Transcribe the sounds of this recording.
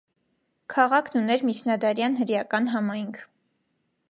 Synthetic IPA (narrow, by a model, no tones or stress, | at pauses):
kʰɑʁɑkʰnunɛɾmit͡ʃʰnɑd̪ɑɾjɑnɦəɾjɑkɑnɦɑmɑjŋkʰ